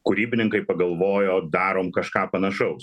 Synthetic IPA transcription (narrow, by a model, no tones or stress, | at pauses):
kʊɾʲiːbʲɪnʲɪŋkɐɪpɐɡɐlˠʋoːjoːd̪ɑːɾoːmkɐʃkɑːpɐnɐʃɐʊ